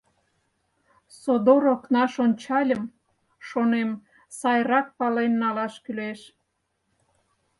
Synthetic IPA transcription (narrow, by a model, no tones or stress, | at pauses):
sod̪oɾoknɑʃonʲt͡ɕɑlʲəm | ʃonem | sɑjrɑk̚pɑlenːɑlɑʃkyleʃ